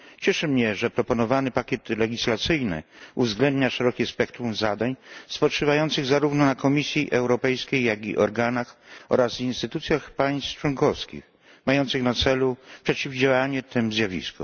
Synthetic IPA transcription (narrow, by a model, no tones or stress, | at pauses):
t͡ɕɛʂɘmɲɛʐɛpɾɔpɔnɔvanɘpakʲɛt̪lɛɡʲislat̪sɘjnɘ̰uvzɡlɛnd̪ɲaʂɛɾɔkʲɛspɛkt̪ɾumzad̪aɲspɔt͡ʂɨvajɔnt̪sɘɣzaɾuvnɔnakɔmʲisʲjiʔɛwɾɔpɛjskʲejːaɡʲḭʔɔɾɡanaxɔ̰ɾazvinst̪ɘt̪ut̪sʲjaxpaj̃st̪t͡ʂwɔŋkɔfskʲḭx | majɔnt̪sɨɣnat̪sɛlupʂɛt͡ɕivd͡ʑawaɲɛt̪ɘmzʲjavʲḭskṵ